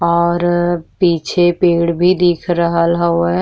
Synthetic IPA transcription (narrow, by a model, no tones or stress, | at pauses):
ɔːɾpiːt͡ʃʰepeːɽbʱid̪iːkʰɾəɦalɦaoɛ